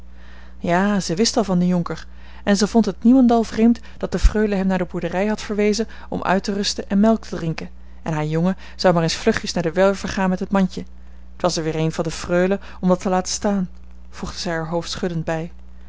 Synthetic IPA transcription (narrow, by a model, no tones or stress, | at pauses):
jaːzəjʋɪstɑlˠvɑndəjɔŋkəɹ | ɛnzəvɔntɦət̚nimɑndɑlˠvrejmt | d̥ɑt̚dəfrøɥləɦɛmnaːɹdəbuɹdərɛjɦɑtfəɹʋejzən | ɔ̰mʔœ̰ɥtərɵstənʔɛnmɛlˠk̚tʰədrɪŋkən | ɛnɦaːɹjɔŋə | z̥ɑwmaːrensflɵχjəsnaːɹdəʋɛlv̥əɹχaːnmɛtɦətmɑɲcə | ətʋɑsɛɹʋɪːɹejnvɑndəfrøɥlə | ɔmdɑtʰəlaːtə̥staːn | v̥uχd̥əzɛjaɹɦowftsχɵdəndbɛj